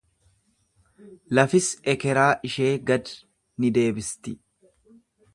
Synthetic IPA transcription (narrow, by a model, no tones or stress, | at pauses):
lɐfɪsɛkɛɾaːʔɪʃeːɡɐd̪ | nɪd̪e̞ːbɪst̪ɪ